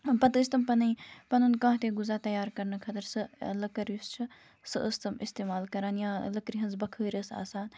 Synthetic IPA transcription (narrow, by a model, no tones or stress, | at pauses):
pɐt̪ɨst̪ɐmpɐnɨjpɐnunkɐ̃ːɦt̪eɡuzat̪ɐjaːɾkɐɾnɐkʰɐt̪ɐɾsɨlɐkɐɾjust͡ʃʰɐ | sɨ̰ʔəst̪ɐmist̪eːmaːlkɐɾaːnjãːlɐkɾiɦɐnzbɐkʰəːɾʲəsa̰ːsaːn